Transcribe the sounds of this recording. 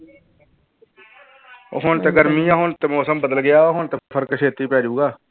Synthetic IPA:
ɦont̪eːɡəɾmĩːãːɦont̪eːmoːsəmbəd̪əlɡɪjaːoːɦont̪epʰəɾkʃʰeːt̪iːpɛːd͡ʒuːɡaː

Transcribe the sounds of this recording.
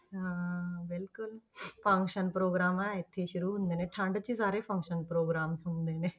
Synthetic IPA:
ɦãːʋɪlkʊlpʰə̃ŋkʃənpɾoːɡɾaːmaːɪt̪ʰːeːʃʊɾuːɦʊ̃nd̪eːneːʈʰãːɳɖt͡ʃisaːɾeːpʰə̃ŋkʃənpɾoːɡɾaːmʊ̃nd̪eːneː

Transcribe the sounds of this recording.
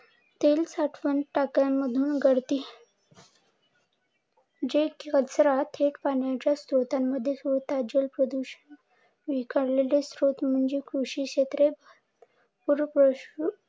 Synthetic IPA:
t̪elsaʈʰʋənʈakaməd̪ʱuːnɡəɽt̪iː | d͡ʑekət͡sɾat̪ʰeʈpaɳjat͡ɕjast̪ɾot̪amːəd̪ʱːjesut̪ad͡ʑəlpɾəd̪uɕən | ʋikəɽlelesɾot̪m̤əɳd͡ʑekɾuɕikɕet̪ɾeb̪ | puɾpɾə

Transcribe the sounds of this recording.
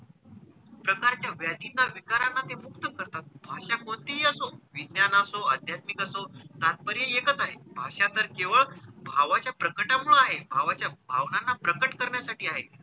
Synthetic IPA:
pɾəkaɾt͡ɕjaʋjad̪inːaʋikaɾanːat̪emukt̪əkəɾt̪at̪̚bʱaʂakmot̪iɦiːəsoʋid̪njanasoəd̪ʱjat̪mikəsot̪at̪̚pəɾjeekət͡saɦebʱaʂat̪əɾkeʋəɭbʱaʋat͡ɕjapɾəkəʈamuɭaɦebʱaʋat͡ɕjabʱaʋnanːapɾəkəʈkəɾɳjasaʈiːaɦet̪

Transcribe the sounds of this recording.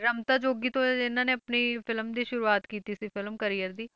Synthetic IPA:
ɾəmt̪aːd͡ʒoːɡiːt̪õːɪnãːneːəpniːpʰɪlmd̪iːʃʊɾuːaːt̪kiːt̪iːsiːpʰɪlmkəɾiːjəɾd̪iː

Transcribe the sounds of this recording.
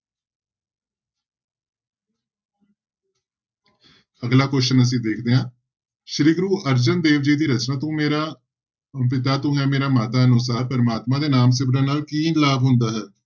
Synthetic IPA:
əɡlaːkoːʃənəs̬ĩːd̪eːkʰd̪eːɦãː | ʃɾiːɡɾuːʔəɾd͡ʒənd̪eːʋd͡ʒiːd̪iːɾət͡ʃnaːt̪ũːmeːɾaː | p̬ɪt̪̬aːt̪ũːɦɛ̃ːmeːɾaːmaːt̪aːənʊs̬aːɾpəɾmaːt̪mãːd̪eːnaːmsɪbɾãːnaːlkiːnlaːbɦʊ̃nd̪aːɦɛː

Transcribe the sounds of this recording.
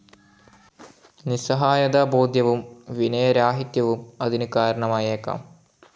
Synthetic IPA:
nisɐɦaːjɐd̪aːboːd̪ʱjɐʋumʋinɐjɐɾaːɦit̪jɐʋumɐðinɨkaːɾɐɳɐmaːjɐeːkːa̰ːm

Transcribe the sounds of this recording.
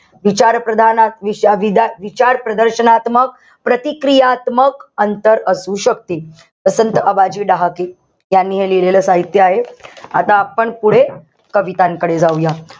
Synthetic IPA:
ʋit͡ɕaɾpɾəd̪ʱanaʋiʋid̪aʋit͡ɕaɾpɾəd̪əɾɕənat̪mək̚ | pɾət̪ikɾijat̪məkənt̪əɾəsuːɕək̚t̪iː | t̪əsənt̪əʔəbad͡ʑiːɖaɦake | janːiːɦeleleləːsaɦit̪jəaɦea̰t̪ãːpəɳpuɽ̤e | kəʋit̪ãŋkəɽed͡zauja

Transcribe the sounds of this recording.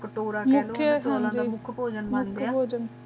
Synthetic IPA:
kəʈoːɾaːmʊlʰjəd͡ʒãːñːd͡ʒiamʊkʰpoːd͡ʒənmʊnkd̪ʰpoːd͡ʒən

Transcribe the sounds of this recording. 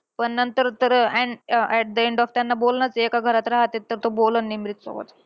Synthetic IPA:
pəɳnənt̪əɾt̪əɾɛɳɛʈ̚d̪əẽɳɖɔft̪janːabolnat͡sekaɡʱəɾat̪ɾaɦat̪et̪ːəɾt̪obolənːimɾit̪so̰ɡə̰t̪

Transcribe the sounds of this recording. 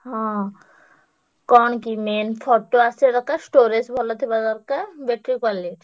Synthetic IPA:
ɦɔ̃ | kɔɳkimenpʰɔʈːoaseɾɔkasʈoɾesbʱɔlɔt̪ʰibad̪ɔɾkabeʈɾikaleʈ

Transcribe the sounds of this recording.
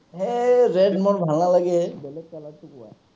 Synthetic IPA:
ɦɛɹɛɖmɔɹbʱalnalaɡɛbɛlɛɡ̚kalatːʊkʊwa̰

